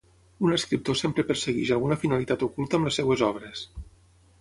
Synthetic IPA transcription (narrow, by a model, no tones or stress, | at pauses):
unəskɾip̚t̪osempɾəpəɾsəɣiʒalɣunəfinalit̪at̪ukulˠt̪əːmləsːewezɔβ̞ɾes